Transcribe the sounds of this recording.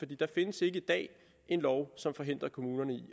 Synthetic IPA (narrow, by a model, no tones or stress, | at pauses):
fɒd̥ḭːd̥ɑ̈fe̝nəse̝ɡ̥əid̥ɛ̰ː | ʔe̝nlɒʊsɒ̽mfɒ̽ɦe̝n̰d̥ʁɐkʰo̝muːnɐnəi